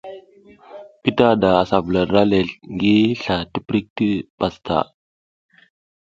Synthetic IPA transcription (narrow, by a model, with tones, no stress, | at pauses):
pi˦ta˦da˨a˨sa˨vu˨la˨da˦le˨ɬŋɡi˦ɬa˨ti˦pɾi˦k̚ti˦pa˨stʰa̰˨